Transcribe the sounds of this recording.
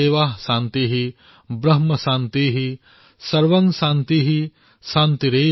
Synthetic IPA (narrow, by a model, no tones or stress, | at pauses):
eːʋaːɦʃaːnt̪iɦi | bɾɐɦmɐʃãːnt̪iːɦi | sɐɾʋɐŋʃaːnt̪iɦi | saːnt̪iɾeː